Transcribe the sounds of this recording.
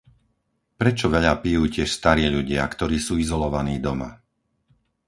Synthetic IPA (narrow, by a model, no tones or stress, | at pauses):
pɾɛt͡ʃɔʋɛʎapijuːcɪɛʃst̪aɾiːʎuɟɪa̰kt̪ɔɾiːsuːizɔlɔʋaniːd̪ɔma̰